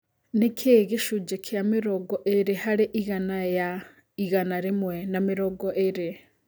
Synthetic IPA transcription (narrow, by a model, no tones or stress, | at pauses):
nekʰeɣiʃud͡ʒekʰjamiɾoɡɔʔeɾehaɾeʔiɣanaja | iɣanaɾimwenamiɾoɡoʔeɾe